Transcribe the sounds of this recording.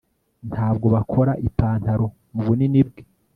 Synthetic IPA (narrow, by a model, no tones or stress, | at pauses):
ntʰhaːbɡo̞βakʰo̞ɾaʔipaːntaɾo̞ | muβunenib̚ɡe